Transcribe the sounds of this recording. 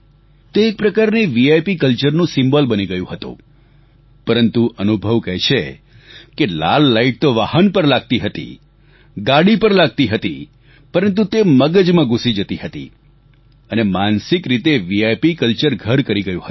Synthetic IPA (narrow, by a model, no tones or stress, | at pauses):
t̪eːk̚pɾəkaɾniʋiajpikəlt͡ʃəɾnũsɪ̃mbəlbəniɡəjũɦət̪ṵ̃ | pəɾənt̪uʔənubʱəʋkɛɦʃʰe | kela̰lːaiʈ̚t̪oʋahənpəɾlaɡ̚t̪iɦət̪ḭ | ɡaɽipəɾlaɡ̚t̪iɦət̪ḭ | pəɾənt̪̬ut̪eməɡəd͡ʒmãɡusid͡ʒət̪iɦət̪ḭ | ənemansɪkɾit̪eʋiajpikəlt͡ʃəɾɡʱəɾkəɾiɡəjṵ̃ɦət̪